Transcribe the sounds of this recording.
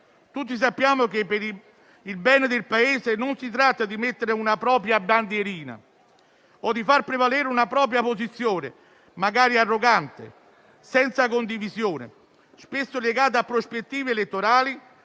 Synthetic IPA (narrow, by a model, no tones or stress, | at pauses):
t̪ut̪ːis̬apːjaːmʊkepːeɾi | ilbɛnɪd̪ɪlpaeːzɪnʊnsit̪ɾat̪ːad̪imet̪ːeɾɪunapɾɔːpɾjaband̪jeɾiːna̰ | ɔd̪ifarpɾevaleːɾunapɾɔːpɾjaposit̪sːjoːnɪ̰ | maɡaːɾiarːoɡant̪ɪ̰ | sɛnt̪sakond̪ivizjoːnɪ̰ | spesːʊleɡaːt̪̬aapːɾospet̪ːiːveelet̪ːoɾaːli